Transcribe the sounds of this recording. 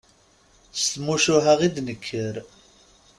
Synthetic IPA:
st̪muʃʊɦaʁid̪nəkʰːəɾ

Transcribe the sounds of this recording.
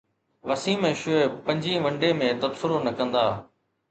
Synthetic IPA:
ʋɐsiːməʃʊepɐ̃ɲd͡ʒĩːʋɐ̃ɳɖẽːmẽːt̪ɐbsɪɾoːnɐkə̃nd̪aː

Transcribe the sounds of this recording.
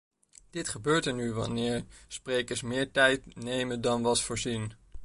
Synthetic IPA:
d̥ɪtχəbøːɹtəɹnyʋɑ̰nɪːɹsprejkəɹsmɪːɹtɛjtnejməndɑnʋɑtfʊːɹzin

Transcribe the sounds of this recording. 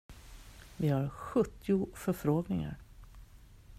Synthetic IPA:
vɪhaɾɧɵt̪ːɪʊfœɾfɾoːɡnɪŋa̰ɾ

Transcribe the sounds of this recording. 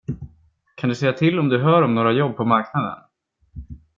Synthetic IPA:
kʰand̪ɵsɛjːat̪ʰɪlːɔmd̪ɵɦœːɾɔmnoːɾajɔbːpʰɔmaɾknad̪ə̰n

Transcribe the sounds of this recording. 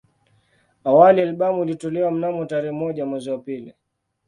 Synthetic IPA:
awalialɓamuulitɔlɛwam̩namɔtaɾɛhɛmɔʄamwɛziwapili

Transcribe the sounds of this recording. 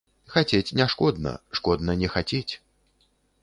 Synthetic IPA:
xat͡sʲet͡sʲnʲɛʂkɔd̪nɐ̰ʂkɔd̪nɐnʲɛxat͡sʲet͡sʲ

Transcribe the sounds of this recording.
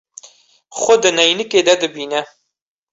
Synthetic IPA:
χʷod̪ɨnɐjnɨked̪ɐd̪ɨbiːnɐ

